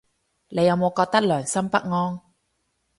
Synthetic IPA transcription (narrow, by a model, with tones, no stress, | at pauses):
le˨˧jɐ˨˧wmo˨˧wkɔː˧k̚t̪ɐ˥k̚lœː˨˩ŋsɐ˥mpɐ˥k̚ŋɔː˥n